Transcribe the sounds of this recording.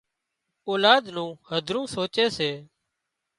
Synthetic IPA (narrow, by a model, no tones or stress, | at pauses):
oːlaːd̪nũːhəd̪ʱɾũːsoːt͡ʃeːseː